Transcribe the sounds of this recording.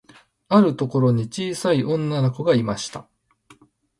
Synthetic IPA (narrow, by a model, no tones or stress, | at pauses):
aɾɯ̟t̪o̞ko̞ɾo̞ɲ̟it͡ɕiːsaiʔõ̞nːanoko̞ɡaimaɕi̥t̪a